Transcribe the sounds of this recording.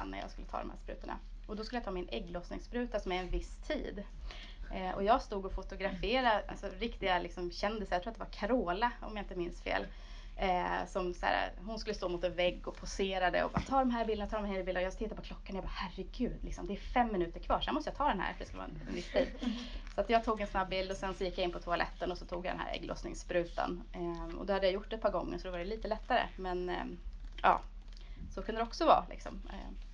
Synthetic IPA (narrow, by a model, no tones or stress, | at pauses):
nːæ̰jɑ̰ːskɵlːət̪ʰɑ̰ːd̪ɔmhæ̰ɾspɾʉ̟ːt̪əɳa̰ | ɔd̪ɔskɵləjat̪ʰɑːmɪnʔɛɡːlosnɪ̰ŋspɾʉ̟ːt̪asɔmɛɛnvɪst̪ʰḭːd̪ | ɛʔɔ̰jɑːɡst̪uːɡɔfʊt̪ʊɡɾafeːɾaa̰sɔɾɪkt̪ɪɡalɪksɔmɕɛnd̪ɪsəɾjɑtʰɾuːat̪d̪ɛvaɾkʰaɾoːlaɔ̰mjaɪnt̪əmɪnsfḛːl | sɔmsa̰ːɾa̰ɦʊnskɵlːəst̪oːmʊt̪ɛnvɛɡːɔpʰʊseːɾad̪ɛ̰ɔ̰bɑ̰ːt̪ʰɑːɖ̪ɔmɦæɾbɪld̪nat̪ʰɑːɾmnheːljəbɪld̪ɾjɑst̪ʰɪt̪ːapɔkʰlɔkːanjabɑːhærɛɡʉ̟ːd̪lɪksɔmd̪ɛæfɛmːɪnʉ̟ːt̪əɾkʰvɑːɾʂɛnmɔst̪əjɑːt̪ʰɑːd̪ɛnhæ̰ːɾfəɖɛskavɑ̰ːɛnɛ̰nvɪst̪ʰḭːd̪sɔat̪jɑːɡ̚t̪ʰuːɡɛnsnabːɪld̪ɔsɛnsɔjɪkːjaɪnpʰɔt̪ʰʊalʔɛ̰t̪ːənɔsɔt̪ʰuːɡjad̪ɛ̰nhæ̰ːɾɛ̰ɡlʔɔ̰snɪ̰ŋspɾʉ̟ːt̪a̰n | ɔ̰d̪ɔhad̪ːəjajʊʈːɛt̪̚pʰɑːɾɡɔŋːə̰ɾʂɔd̪ɔvaɾɛliːt̪əlɛt̪ːaɾə̰mɛn | ɑ̰ː | sokʰɵnd̪əɾɛɔksɔvɑ̰ːlʔɪ̰ksɔ̰mɛ̰